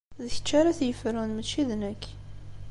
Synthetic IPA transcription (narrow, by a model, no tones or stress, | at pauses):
ðəçə̥t͡ʃːaɾaθjəfɾunmət͡ʃːiðnək